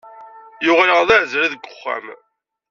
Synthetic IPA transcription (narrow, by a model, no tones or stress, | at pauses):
jʊʁləʁðæʕzɾiðəɡːʊχːæ̰m